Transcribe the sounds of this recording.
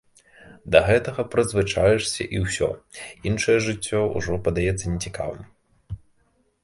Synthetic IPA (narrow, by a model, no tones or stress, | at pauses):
d̪ɐɣɛt̪ɐɣɐpɾɐd̪zvɨt͡ʂajɛʂsʲɐ̰ʔiwsʲɔ̰inʂɐjɛʐɨt͡sʲːɔṵʐɔpɐd̪ajɛt̪sːɐnʲɛt͡sʲika̰vɨ̰m